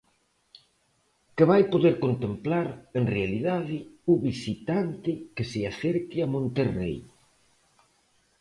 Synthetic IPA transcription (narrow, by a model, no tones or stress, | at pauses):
keβajpoðeɾkont̪emplaɾenrealiðaðɪuβisit̪ant̪ɪkesɪaθeɾkɪamõnt̪erḛj